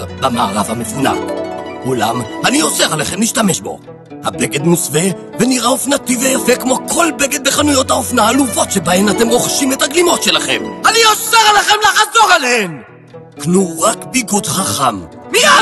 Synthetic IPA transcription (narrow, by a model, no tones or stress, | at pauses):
bamaːʁavhamefuna̰kula̰mhanio̞seʁaleχemliʃtameʃbo̞̰ | habeɡe̞d̪musve | veniʁaofnat̪ivejafekmokʰo̞lbeɡe̞d̪̚beχanujo̞t̪haofnaːluvo̞tʃebaemat̪e̞mʁoχʃimet̪haɡlimo̞tʃe̞laχe̞manioseʁalaχemlaħzo̞ʁalehem | knuʁakbiɡud̪χaχammia